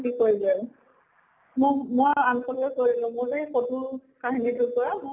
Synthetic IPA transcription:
kikoɹilɛ | mʊmoanxʰɔlɛkoɹilʊ̃mʊɹejxodʱuɹkaɦinidʱukɔɹamʊ

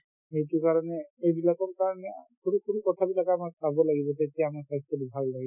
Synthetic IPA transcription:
ejtʊkaɹɔnɛejbilakɔɹkaɹɔnɛkuɹukʰuɹukɔtʰabilakaːmak̚sabɔlaɡibɔtetijaːmakajskɔlibʱalːaɡi

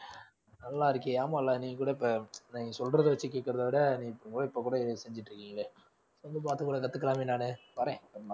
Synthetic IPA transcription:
nɐlːãːɪɾɯkːɯjaːmaːlːaːnĩːŋɡɐkuːɽɐɪpːɐniːŋɐsɔlrɾɐðɯʋɐt͡ʃːɯkeːʈkːɪɾɐðaːʋɪɽɐniːɪpːɐɽɯŋɡoːɪpːokuːɽɐsɛɲd͡ʒɪʈːɾɯkːiːŋɡɐlɐ | sːɐnd̪ɯp̬aːɾt̪ɯkuːɽɐk̬ɐt̪ːɯkːɐlaːmeːnːaːnɯpɐɾẽːɐma

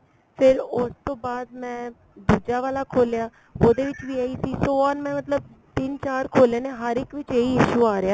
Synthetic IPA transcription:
pʰɪɾʊst̪õːbaːd̪̚mɛ̃ː | d̪uːd͡ʒaːʋaːlaːkʰoːljaː | oːd̪eːʋɪt͡ʃʋiːaːiːsiːsoːɔːnmɛ̃ːmət̪ləb̚ | t̪ɪnt͡ʃaːɾkʰoːleːneːɦəɾɪkʋɪt͡ʃeːiːɪʃuːaːɾɪjaː

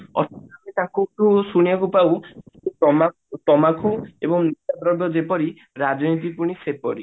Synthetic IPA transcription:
ɔ̰t̪ʰɔamet̪akuʈusuɽ̃ijakupawkuɔma | tɔmakʰuebɔŋnitad̪ɾɔbjɔd͡ʒepɔɾi | ɾad͡ʒɔnit̪̬ipuɽ̃isepɔɾi

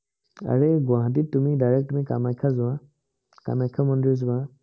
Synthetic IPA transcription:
a̰ɹeɡʊãɦãt̬itːumidajɹɛk̚tumika̰majkʰːazʊwã | ka̰majkʰːamɔndɔizʊbã

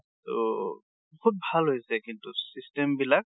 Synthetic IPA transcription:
to̰ | bɔhut̚bʱalɦojsɛkintusistɛmbilak̚

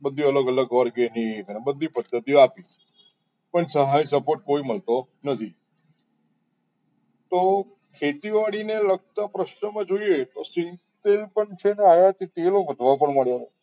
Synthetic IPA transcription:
bəd̪ʱːiələɡələɡɔɾɡeniənebəd̪ʱːipəd̪ːət̪iapit͡ʃ | pəɳsəɦajsəpoʈ̚koiməlt̪o | nət̪ʰi | t̪o | kʰet̪iʋaɽineləɡ̚t̪apɾəʃnəmãd͡ʒoiet̪osĩ | t̪elpəɳt͡ʃʰeneajat̪it̪eloʋəd̪ʱʋapəɳməɭjaɾo

